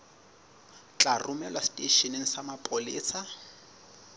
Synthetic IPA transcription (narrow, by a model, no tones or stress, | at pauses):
t͡ɬʼarʊmɛlwastʼeʃɔneŋ̩samapʼoliːsa